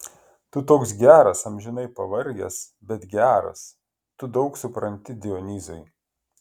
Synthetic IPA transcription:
t̪ʊt̪oːks̬ɡʲæːɾɐsɐmʲʒʲɪnɐɪpɐʋɐɾʲɡʲɛ̰s | bʲɛt̪ɡʲæːɾɐ̰s | t̪ʊd̪ɒʊksʊpɾɐnʲt̪ʲɪd̪ʲɪɔnʲiːzɐɪ

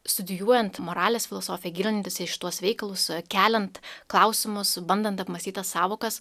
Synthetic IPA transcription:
st̪ʊd̪ʲɪjuɔjɛnt̪moɾɑːlʲeːsfʲɪlˠɔsoːfʲɪjɛɡʲiːlʲnʲɪnt̪ʲɪsʲɛʃʲɪ̥t̪uɔsʋʲɛɪkɐlˠʊskʲæːlʲɛnt̪klˠɑʊsʲɪmʊsbɐnd̪ɐnt̪ɐpmɐsʲt̪ʲiːt̪ɐssɑːʋoːkɐs

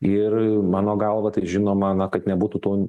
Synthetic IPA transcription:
ɪrmɑːnoːɡɐlˠʋɐt̪ɐɪʒʲɪnoːmɐnɐkɐt̪nʲɛbuːt̪ut̪oː

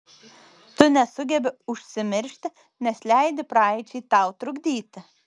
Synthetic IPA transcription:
t̪ʊnʲɛsʊɡʲɛbʲɪʊʃʲsʲɪmʲɪɾʲʃʲt̪ʲ | nʲɛslʲæɪd̪ʲɪpɾɑɪt͡ʃʲɛːt̪ɑˑʊt̪ɾʊɡd̪ʲiːt̪ʲɪ

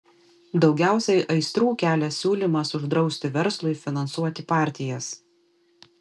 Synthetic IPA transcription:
d̪ɒʊɡʲæˑʊsʲɛʔɐɪst̪ɾuːkʲæːlʲɛsʲuːlʲiˑmɐsʊʒd̪ɾɒʊsʲt̪ʲɪʋʲɛɾslˠʊɪfʲɪnɐnsuɔt̪ʲɪpɑˑɾʲt̪ʲɪjɛs

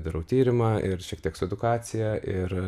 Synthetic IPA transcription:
d̪ɐɾɐʊt̪ʲiːɾʲɪmɑːɪɾʃʲiɛk̚t̪iɛksʊɛd̪ʊkɑːsʲɪjɛʔɪr

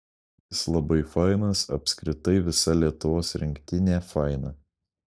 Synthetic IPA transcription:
jɪslˠɐbɐɪfɑˑɪnɐsɐpʲsʲkɾʲɪt̪ɐɪʋʲɪsɐlʲiɛt̪ʊʋoːsɾʲɪŋʲkt̪ʲɪnʲeːfɐˑɪnɐ

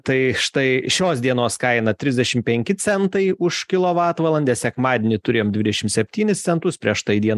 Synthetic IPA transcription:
t̪ɐɪʃt̪ɐɪʃʲoːsd̪ʲiɛnoːskɐɪnɐt̪ʲɾʲɪzʲdʲɛʃʲɪmpʲɛŋʲkʲɪt͡s̪ʲɛnt̪ɐɪʊʃkʲɪlˠoːʋɑːt̪ʋɐlˠɐnʲd̪ʲɛsʲɛkmɑːd̪ʲenʲɪt̪ʊɾʲeːomd̪ʲʋʲɪd̪ʲɛʃʲɪmsʲɛpʲt̪ʲiːnʲɪst͡s̪ʲɛnt̪ʊspʲɾʲiɛʃt̪ɐɪd̪ʲiɛn

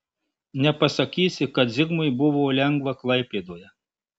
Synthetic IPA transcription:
nʲɛpɐsɐkʲiːsʲɪkɐt̪zʲɪɡmʊjbʊʋoːlʲɛŋɡʋɐklˠɐɪpʲeːd̪oːjɛ

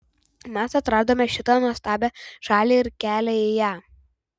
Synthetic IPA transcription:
mʲæsɐt̪ɾɑːd̪oːmʲɛʃʲɪt̪ɐnust̪ɑːbʲɛʒ̥ɑːlʲeːɪɾkʲæːlʲɛɪjæː

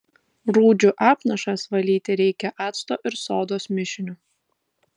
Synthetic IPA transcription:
ɾuːd͡ʒʲʊʔɑːpnɐʃɑsʋɐlʲiːt̪ʲɪɾʲɛɪkʲɛʔɑːt̪st̪oːʔɪɾsoːd̪oːsmʲɪʃʲɪnʲʊ

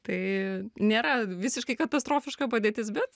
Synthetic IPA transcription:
t̪ɐɪnʲeːɾɐʋʲɪsʲɪʃkɐɪkɐt̪ɐst̪ɾoːfʲɪʃkɐpɐd̪ʲeːt̪ʲɪs̬bʲɛt̪

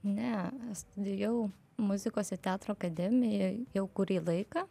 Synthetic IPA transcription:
nʲɛst̪ʊd̪ʲɪjɛʊ | mʊzʲɪkoːsɪt̪ʲæːt̪ɾoːɐkɐd̪ʲɛmʲɪjɛjɛʊkʊɾʲiːlˠɐɪkɐ

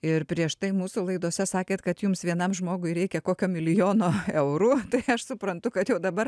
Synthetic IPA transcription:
ɪrpʲɾʲiɛʃt̪ɐɪmuːsʊlˠɐɪd̪oːsʲɛsɑːkʲeːt̪kɐt̪jʊmsʋʲiɛnɐmʒmoːɡʊɪɾʲɛɪkʲɛkoːkʲoːmʲɪlʲɪjoːnoːɛʊɾuːt̪ɐɪɐʃsʊpɾɐnt̪ʊkɐt̪jɛʊd̪ɐbɐr

